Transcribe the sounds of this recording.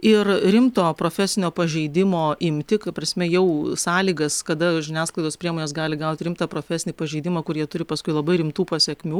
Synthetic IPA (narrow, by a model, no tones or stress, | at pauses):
ɪrɾʲɪmt̪oːpɾoːfʲɛsʲɪnʲoːpɐʒʲɛɪd̪ʲɪmoːɪmʲt̪ʲɪkɐpɾɐsʲmʲɛjɛʊsɑːlʲiːɡɐskɐd̪ɐʒʲɪnʲæːsklˠɐɪd̪oːspʲɾʲiɛmoːnʲeːsɡɑːlʲɪɡɐʊt̪ʲɾʲɪmt̪ɑːpɾoːfʲɛsʲɪnʲiːpɐʒʲɛɪd̪ʲɪmɐkʊɾjiɛt̪ʊɾʲɪpɐskʊɪlˠɐbɐɪɾʲɪmt̪uːpɐsʲɛkʲmʲuː